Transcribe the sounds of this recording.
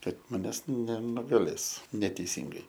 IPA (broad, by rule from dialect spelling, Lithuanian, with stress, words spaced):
ˈkɐt mɐˈnʲæːs nʲɛnʊɡɐˈlʲeːs nʲɛtʲɛɪˈsʲɪŋɡɐɪ